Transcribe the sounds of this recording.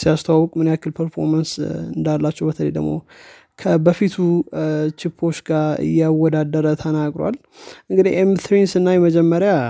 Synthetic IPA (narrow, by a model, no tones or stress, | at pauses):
sijast̪ʰawawɔkʼmɨnjakːɨlpʰəɾfo̞̰ɾmansɨnd̪alːat͡ʃːɛwbət̪ʰəlejd̪ə̰ɡmo̞̰ | kʰəbəfit̪ʰut͡ʃɪpʰːo̞t͡ʃːɡaɾɨ̰jːawɔd̪ad̪əɾət̪ʰənaɡɾa̰l | ʔɨŋɡɨd̪ihʔemt̪ɾinsɨnːajɛməd͡ʒɛmːəɾja